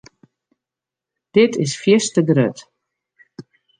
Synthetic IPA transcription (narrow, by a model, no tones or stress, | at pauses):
d̥ɪtʰɪsfjɪstəɡrøt